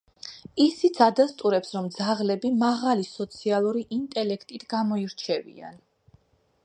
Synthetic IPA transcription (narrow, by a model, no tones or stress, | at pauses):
isit̪sʰad̪ast̪ʼuɾɛpsɾɔmd̪zaʁlɛbimaʁalisɔt̪sʰialˠuɾiʔint̪ʼɛlɛkʰt̪ʼit̪ʰɡamɔiɾt͡ʃʰɛvḭa̰n